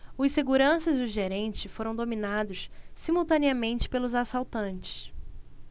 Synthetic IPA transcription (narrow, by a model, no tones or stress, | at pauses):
ʊseɡuɾɐ̃sɐziʊʒeɾẽnt͡ʃɪfoɾɐ̃w̃d̪ominad̪ʊssimuwt̪ɐ̃niɐmẽnt͡ʃɪ̥pelʊzasawt̪ɐ̃nt͡ʃɪ̥s